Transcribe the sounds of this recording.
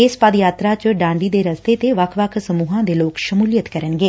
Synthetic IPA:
ɪspəd̪jaːt̪ɾaːt͡ʃəɖãːɳɖ̪iːd̪eːɾəst̪eːt̪eːʋəkʰʋəkʰsəmuːɦãːd̪eːloːkʃəmuːljət̪kəɾənɡeː

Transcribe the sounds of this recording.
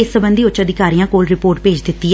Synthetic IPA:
ɪsəbənd̪iːʊt͡ʃt͡ʃːəd̪ɪkaːɾijãːkoːlɾɪpoːɾʈpeːd͡ʒd̪ɪt̪ːiː

